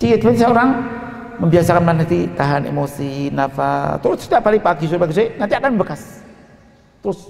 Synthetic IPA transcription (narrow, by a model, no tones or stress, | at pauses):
tiit̪̚pɛnsəoɾaŋ | məmbiasakanmanat̪it̪aɦanḛmosinafa̰t̪uɾʊt̪sdiapaliŋpakis̬upaks̬enãnt̪iakanbəkas | t̪əɾʊs